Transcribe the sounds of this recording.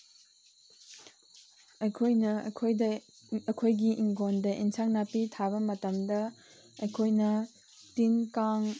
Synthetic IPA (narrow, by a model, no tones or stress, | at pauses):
ɐjkʰojnɐkʰojdɐ | ɐkʰojɡiʔiŋɡondɐʔinsʰaŋnapitʰabɐmɐtɐmdɐ | ɐjkʰojnɐ | tinkaŋ